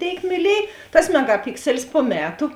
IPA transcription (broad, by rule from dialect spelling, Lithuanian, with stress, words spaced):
ˈtʲeːɪk mʲiːˈlʲiɛj tɐs mʲɛɡɐˈpʲɪksʲɛlʲɪs poː ˈmʲæːtʊ